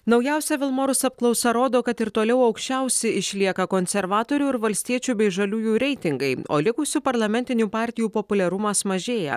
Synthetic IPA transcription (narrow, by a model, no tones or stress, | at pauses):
nɒʊjæˑʊsʲɛʋʲɪlˠmoːɾʊsɐp̚klˠɒʊsɛɾoːd̪oːkɐt̪ɪɾt̪oːlʲɛʊɐʊkʃʲt͡ʃʲɛˑʊsʲɛɪʃʲlʲiɛkɐkoːnʲsʲɛɾʋɑːt̪oːɾʲuːɪɾʋɐlʲsʲt̪ʲiɛt͡ʃʲuːbʲɛɪʒɐlʲuːjuːɾʲɛɪt̪ʲɪŋɡɐɪo̰ːlʲɪkʊsʲʊpɐɾlˠɐmʲɛnʲt̪ʲɪnʲuːpɑːˑɾʲt̪ʲɪjuːpopʊlʲɛɾʊmɐsmɐʒʲeːjɛ̰